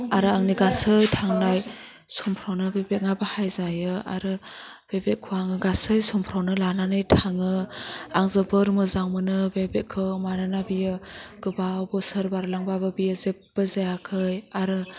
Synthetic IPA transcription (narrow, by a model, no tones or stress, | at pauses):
aɾɯaŋniɡasɯjtʰaŋnaj | sɔmpʰɾawnɯbebeŋabahajzajɯa̰ɾɯ | b̥ebekʰuaŋɯɡasɯjsɔmpʰɾawnɯlananɯjtʰaŋɯaŋzɯbɯɾmɯzaŋmɯnɯbebekʰɯmananabijɯɡ̥ɯbawbɔsɯɾbaɾlaŋbabɯbijɯzep̚b̥ɯzajakʰɯjaɾɯ